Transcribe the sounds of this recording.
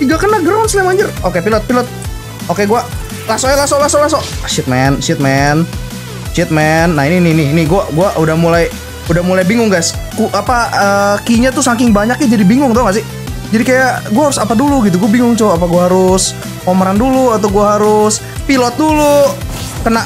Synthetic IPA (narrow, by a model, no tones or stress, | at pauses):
tiɡakənaɡɾawnsɲamaɲd͡ʒərokepilɔt̪̚pilɔt̪̚ | okeɡua | lasolasolasolasɔʃit̪̚mɛnʃɪt̪̚mɛn | ʃɪt̪̚mɛnːaininɪnɪnɪɡuaɡuaʔudahmulaj | udahmulajbiŋʊŋɡaskuʔapaəkiɲat̪usaŋkɪŋbaɲak̚ɲɛd͡ʒadibiŋʊŋt̪ɔŋas̬ɪ | d͡ʒadikajaɡuahaɾʊsapaduluɡit̪uɡuabiŋʊŋt͡ʃoapaɡuaɦaɾʊs | oməɾanduluat̪awɡuaɦaɾʊs | pilɔt̪̚dulu | kənaʔ